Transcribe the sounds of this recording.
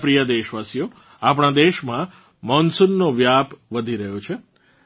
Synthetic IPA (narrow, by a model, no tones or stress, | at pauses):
pɾijəd̪eʃʋasijo | ap̬ɽ̃ad̪eʃmã | mɔnsunːoʋjapʋəd̪ʱiɾəɦjot͡ʃʰe